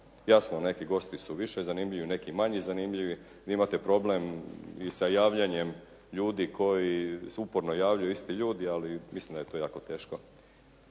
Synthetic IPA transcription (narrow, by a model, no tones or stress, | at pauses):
jaːsmone̞kiɡo̞st̪isuʋiʃezanimʎiʋine̞kimaɲizanimʎiʋi | ʋiimat̪e̞pɾo̞blemisajaːʋʎaɲe̞m | ʎuːd̪ikʰo̞jisupoɾnojaːʋʎajuist̪iʎuːd̪ialimislimd̪aje̞t̪oːjaːko̞t̪e̞ːʃko